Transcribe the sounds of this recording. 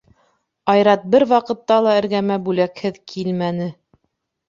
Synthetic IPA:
ɑjɾɑt̪̚bɘɾwɑqɤ̆t̪ːɑlˠɑɘ̆ɾɡæmæbʉlækhɘðkʰilmænɘ

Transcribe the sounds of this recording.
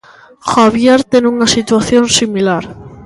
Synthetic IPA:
xaβjaɾt̪enunasit̪waθjo̞nsimilaɾ

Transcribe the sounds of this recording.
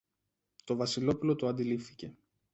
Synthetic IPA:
t̪o̞vɐsilo̞pulo̞t̪oɐnd̪ilifθi̥ce̞

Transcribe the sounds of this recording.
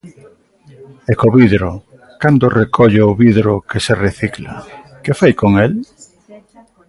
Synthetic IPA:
ɛkoβiðɾo | kand̪ʊrekʰɔʎeʊβiðɾʊkesereθikla̰ | kɪfajkoŋel

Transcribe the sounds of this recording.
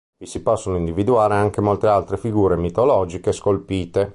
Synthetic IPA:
visipɔsːonoind̪ivid̪uaːɾeaŋk̟emolt̪ealt̪ɾefiɡuːɾemit̪olɔːd͡ʒikeskolpiːt̪e

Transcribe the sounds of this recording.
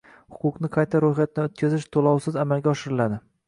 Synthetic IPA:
hʊ̥qʊqnɪqʰɑjt̪ʰaɾojχat̪̚naot̪̚kʲʰazɪʃt̪ʰolˠɒwsɪzamalɡʲaɒʃɪɾɪlad̪ɪ

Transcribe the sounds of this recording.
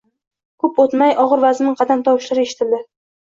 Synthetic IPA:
kʰɵpot̪majɒʁɨɾvaznɪqʰɑd̪amt̪ʰɒwɪʃlaɾeʃɪ̥t̪ʰɪld̪ɪ

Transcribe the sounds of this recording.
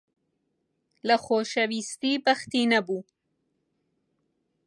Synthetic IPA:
laxoʃawist̪ibaxt̪inabu

